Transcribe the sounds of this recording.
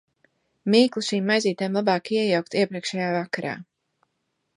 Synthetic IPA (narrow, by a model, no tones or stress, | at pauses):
miːklˠuʃiːmːajziːt̪ajmlˠabɑːkiɛjawk̚t̪iɛpɾiɛkʃɛjaːvakaɾa̰ː